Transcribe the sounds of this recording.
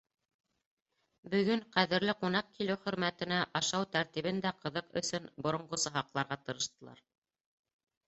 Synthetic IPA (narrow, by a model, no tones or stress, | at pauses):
bɵ̆ɡɵŋqæðɘ̆ɾlɘqunɑq̚kilɘwχɵ̆ɾmæt̪ɘ̆næʔɑʃɑwt̪æɾt̪iβɘ̆nd̪æqɤ̆ðɤqɵ̰̆sɵnbŏɾŏɴɢosɤ̆ɦɑqlˠɑɾʁɑt̪ɤ̆ɾɤ̆ʃt̪ɤ̆lˠɑ̰ɾ